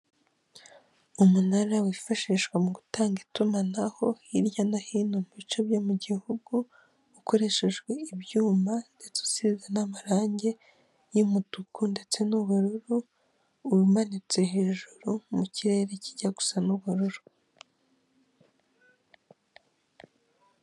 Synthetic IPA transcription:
umunaɾawifaʃiʃwamuɡutaːŋɡitumanaho̞iɾjanahiːnomuβit͡ʃo̞bjomuɟihuɡu | uko̞ɾe̞ʃe̞ʒɡwe̞iβjuːmande̞t͡su̥sizanamaɾaːɲɟe | jimutukʰunde̞t͡se̞nuβuɾuɾu | imanit͡se̞he̞ːʒuɾumuciɾe̞ɾe̞ciɟaɡu̥sanuβuɾuɾu̥

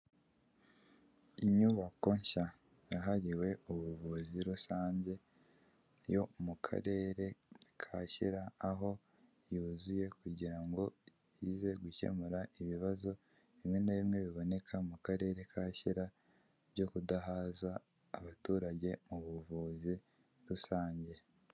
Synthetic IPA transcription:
iɲuβako̞ɲʃa | jaɦaɾiwe̞uβuvuziɾusaːɲɟe̞ | jo̞mukʰa̰ɾe̞ːɾe̞kʰaçiɾaːɦo̞ | juːzuje̞kuɟiɾaŋɡo̞ | jize̞ɡuce̞̰muɾaiβiβazo̞ | iβinaβimŋe̞βiβo̞ne̞kʰamukaɾe̞ːɾe̞kʰaçiɾa | βɟo̞kudaɦaːzaː | βatuːɾaɟe̞muβuvuzi | ɾusaːɲɟe̞

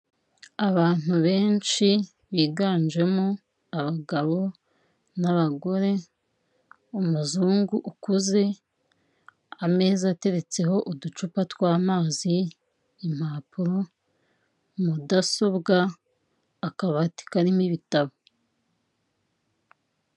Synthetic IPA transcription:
aβaːn̥uβe̞ːnt͡ʃi | βiːɡaːnd͡ʒe̞mo | aβaɡaβo̞ | naβaɡo̞ɾe̞ | umuzuːŋɡuʔukuze̞ | ame̞ːzate̞ɾe̞t͡se̞ɦo̞ʔudut͡ʃupatwaːmaːziː | m̥haːpuɾo | mudaso̞βɡaː | kaβati̥kaɾimiβitaβo

